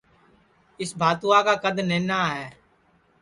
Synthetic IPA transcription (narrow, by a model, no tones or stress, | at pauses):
ɪsbʱaːt̪uaːkaːkəd̪neːnaːɦɛː